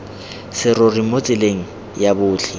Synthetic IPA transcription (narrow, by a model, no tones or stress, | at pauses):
sɪrorimot͡sʼɪleŋ̩ | jabʊːt͡ɬʰɪ